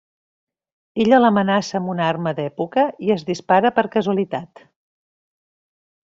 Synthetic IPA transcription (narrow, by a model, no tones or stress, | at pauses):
eʎələmənasəːmbunarməd̪ɛpukəiəzðispaɾəpəɾkəzuəlit̪at̪